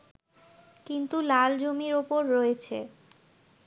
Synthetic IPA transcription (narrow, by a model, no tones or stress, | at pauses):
kint̪ulald͡ʑomiɾopoɾːoet͡ɕʰe